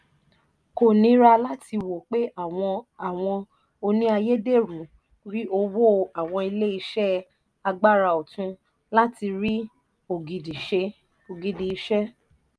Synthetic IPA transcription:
ko˨nĩ˨˦ɾa˧la˦ti˧wo˨k͡pe˦˨˧a˨w̃ɔ̃˧ | o˧nĩ˦a˧je˦de˦˨ɾu˨ | ɾi˦o˧wo˦˧a˨w̃ɔ̃˧i˧le˦i˧ʃɛ˦ | a˧ɡ͡ba˦ɾa˧˨o˨tũ˧ | la˦ti˧ɾi˦ | o˨ɡi˨di˨ʃe˧ | o˨ɡi˨di˨i˧˦ʃɛ˦

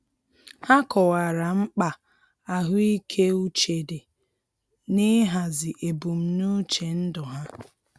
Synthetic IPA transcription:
ha˦kɔ˨wa˨ɾa˨ŋ͡m̩˦k͡pa˨ | a˨ɦʊ˦i˦kʰe˦u˦t͡ʃe˨de˨ | nɪ˦ɦa˨zɪ˨ʔe˨bu˨m̩˨nu˦t͡ʃe˨n̩˦dʊ˨ɦa˦

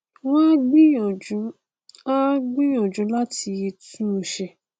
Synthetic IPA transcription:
wã˦ɡ͡bi˦ɔ˨u˨˦ | a˦ɡ͡bĩ˦j̃ɔ̃˨d͡ʒũ˨˦la˦ti˧e˧tũ˦˨ʃɛ˧˨

